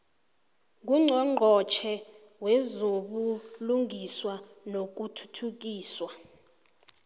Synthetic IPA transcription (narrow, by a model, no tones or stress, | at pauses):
ŋɡuŋ͡ǀʱɔŋ͡ǃʱɔt͡ʃʰɛ | wɛzoɓuluŋʱiswa | nok̬utʰu̥tʰuk̬ʼiːswa